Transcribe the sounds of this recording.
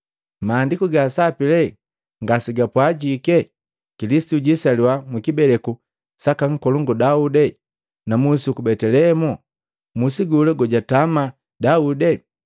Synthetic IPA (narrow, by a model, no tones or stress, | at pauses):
maːndikuɡasapilɛ | ŋɡasiɡapwaɟikɛ | kilisi̥tuɟisaliwamwikibɛlɛku | sakaŋ̩kɔluŋɡɔdaudɛ | namusukubɛtɛlɛmɔ | musiɡulɛɡɔɟatama | daudɛ